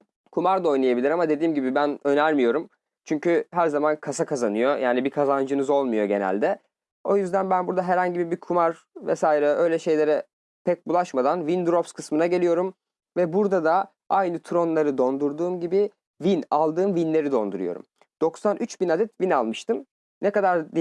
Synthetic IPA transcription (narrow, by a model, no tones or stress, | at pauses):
kʰumaɾd̪ao̞jnˠajabilʲiɾamad̪e̞d̪iːmɟibibænø̞næɾmijo̞ɾum | t͡ʃʰyɲcʰyɦæɾzamankʰasakʰazanɯjo̞jaːnibikʰazand͡ʒɯnɯzo̞lˠmujo̞ɟe̞næ̰lʲd̪ɛ | o̞̰jyzd̪ænbænbuɾd̪aɦɛɾhaɲɟibibikʰumaɾ | vɛ̰saːiɾɛʔø̞jlʲɛʃe̞jlʲe̞ɾɛ | pʰɛc̚bulˠaʃmad̪anvind̪ɾopskʰɯsmɯnaɟe̞lʲijo̞ɾum | vɛbuɾd̪ad̪a | ajnɯt̪ʰɾo̞nlˠaɾɯd̪o̞nd̪uɾd̪uːmɟibi | vinalˠd̪ɯːmvinlʲe̞ɾid̪o̞nd̪uɾṵjo̞̰ɾṵm | d̪̥o̞ksanʔyt͡ʃbinad̪ɛt̪vinalˠmɯʃt̪ɯm | nɛkad̪aɾd̪